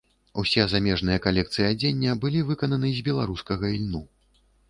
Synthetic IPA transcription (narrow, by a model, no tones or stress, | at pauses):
usʲɛzamʲɛʐn̪ɨjɐkalʲɛk̚t̪sɨjiad͡zʲenʲːɐbɨlʲivɨkɐnɐnɨzʲbʲɛlˠaɾuskɐɣɐilʲnu